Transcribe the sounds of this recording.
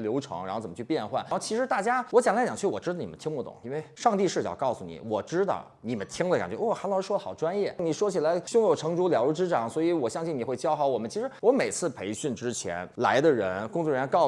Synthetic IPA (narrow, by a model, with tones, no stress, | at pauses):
ljo˧˥ʊʈ͡ʂʰɤ̰˧˥ŋɻa˧˥xo˥˩t͡sə˨˩mə˧t͡ɕʰy˥˧pjɛ˥˧nxwa̰˥˩n˥˧˩t͡ɕʰi˧˥ʂɻ̩˧˥t̪a˥˩t͡ɕja˥wɔ˧˥t͡ɕjŋla˧˥t͡ɕjɑ˨˩ŋt͡ɕʰy˥˩wɔ˨˩ʈ͡ʂɻ̩˥ɑ˥˩ni˨˩ə˦nt̪ʰŋmu˧˩ʊ̰˨˩˦ŋi˥nwe˥˩ɪʂɑ˥˧ŋt̪i˥˧ʂɻ̩˥˩t͡ɕjɑ̰˨˩ʊkɑ˥˩ʊsu˨˩nḭ˨˩˦wɔ˨˩ʈ͡ʂɻ̩˥d̪ɑ̰˥˩ʊni˨˩mə˦nt̪ʰi˥ŋu˧˩ə˧ka̰˨˩nt͡ɕɥɛ˧˥wɔ˥˩xa˧˥nlɑ˥˧˥ʂwɔ˥lə˨xɑ˨˩ʊʈ͡ʂwa˥njɛ˥˩ni˨˩ʂwɔ˥t͡ɕʰi˨˩la˧˥ɪɕʊ˥˧ŋjo˨˩ʊʈ͡ʂʰɤ˧˥ŋʈ͡ʂu˧˥ljɑ˨˩ʊlu˧˥ʈ͡ʂɻ̩˥ʈ͡ʂɑ˨˩˦ŋswɔ˧˥i˧˥wɔ˨˩ɕjɑ˥ŋɕi˥˩ni˨˩xwe˥˩ɪt͡ɕjɑ˥ʊxɑ˧˩ʊwɔ˨˩mə˦nt͡ɕʰi˧˥ʂɻ̩˧˥wɔ˧˥me˨˩ɪt͡sʰɹ̩˥˩pʰe˧˥ɪɕy˥˩nʈ͡ʂɻ̩˥t͡ɕʰjɛ̰˧˥nla̰˧˥ɪd̪ə˧ɻə˧˥nkʊ˥ŋt͡swɔ˥˩ɻɛ˧˥n˥kɑ˥˩ʊ